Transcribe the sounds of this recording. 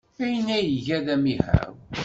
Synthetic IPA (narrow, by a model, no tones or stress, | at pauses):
æjənæjəʝæðæmihæ̰w